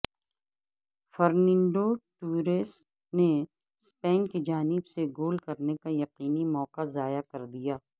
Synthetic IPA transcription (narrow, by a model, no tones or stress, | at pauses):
fɐɾnɪ̃ɳɖoʈuːɾes | ne | spɛːnkid͡ʒaːnɪbseɡoːlkɐɾnekajɐqiːnimɔːqazaːjakɐɾd̪ijaː